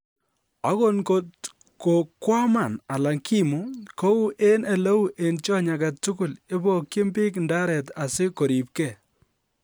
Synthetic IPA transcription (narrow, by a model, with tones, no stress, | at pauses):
a˦ko˦nko˨t | ko˨kwa˦ma˨na˨la˨ŋki˦mu˨ko˦wu˦ʔe˦ne˨lo˦wu˦˨ʔe˨nt͡ʃɔ˦ɲa˨ka˨tu˦kʊ˨le˦bo˦kje˦mbɪ˦knda˦ɾɛ˨ta˨sɪ˦ko˨ɾi˨p̚kɛ˦˨